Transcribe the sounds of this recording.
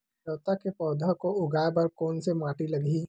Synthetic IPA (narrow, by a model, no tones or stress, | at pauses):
əːt̪akepɔːd̪ʱəkoʊɡaːbɐɾkɔːnsemaːʈilɐɡʱi